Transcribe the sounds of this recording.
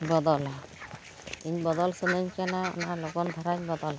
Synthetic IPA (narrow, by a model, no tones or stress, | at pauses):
bɔd̪ɔl | iɲbɔd̪ɔlsɯnɯɲkɛnaɔ̰nalɔɡɔnd̪ʱaɾaɲbɔd̪ɔl